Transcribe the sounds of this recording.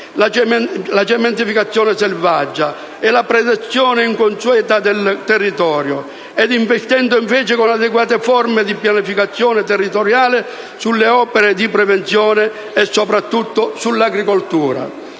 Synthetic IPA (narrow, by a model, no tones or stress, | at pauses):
lat͡ʃlat͡ʃɛmɛnt̪ifikat̪sːjɔːnɪsɛlvad͡ʒːa | ɛlapɾɛd̪ɛt̪sːjɔːnɪiŋkonsuɛːt̪ad̪ɛlt̪ɛrːit̪ɔːɾjʊ | ɛd̪iɱvɛst̪ɛnd̪ʊiɱvɛːt͡ʃɪkonad̪ɛɡwaːt̪efɔrmɪd̪ipjanifikat̪sːjɔːnɪt̪ɛrːit̪oɾjaːlɪ | sulːeɔːpɛɾed̪ipɾɛvent̪sjɔːnɪ | ɛsːopɾat̪ːut̪ːʊsulːaɡɾikolt̪uːɾa̰